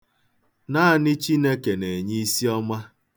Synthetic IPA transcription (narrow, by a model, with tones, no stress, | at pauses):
na˦˨ni˦t͡ʃi˦ne˦ke˨ne˨ɲi˦i˦si˦ɔ˦ma˦